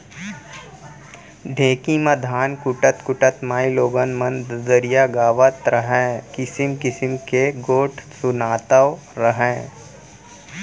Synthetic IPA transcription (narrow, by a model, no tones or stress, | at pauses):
ɖʱẽːkimɐd̪ʱaːnkʊʈət̪kʊʈət̪maːiloːɡənmɐnd̪dəɾijaɡaːʋət̪ɾəɦɛ̃ːkɪsɪmkɪsɪmkeɡoːʈʰsʊnaːt̪əʋ | ɾəɦɛ̃ː